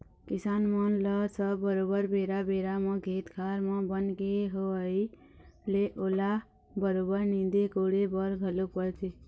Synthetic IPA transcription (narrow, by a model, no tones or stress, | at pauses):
kisanmənləsəbəɾobəɾbeɾabeɾamẽɡʱet̪kʰaɾməbənkeɦoəi | leʔola | bəɾobəɾnid̪ekoɽebəɾɡʱəlupəɾt̪ʰi